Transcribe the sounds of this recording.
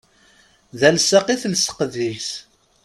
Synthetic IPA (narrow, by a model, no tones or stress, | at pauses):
ðælsaqiθlsə̥qðis